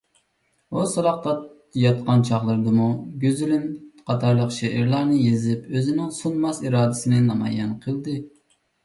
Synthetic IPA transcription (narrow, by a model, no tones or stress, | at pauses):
usɑɾɑq̚t̪ɑt̪ | jɑt̪̚qɑnt͡ʃʰɑχlˠɨɾd̪ɨmuɡʲøzylynqʰɑt̪ʰɑɾlˠəqʃɛʔɪɾlˠɑɾnɨjezɪpøzɪnɪŋsunmɑsiɾɑːd̪ɪsɪnɪnɑmɑ̰jɛnqʰəlˠd̪ɨ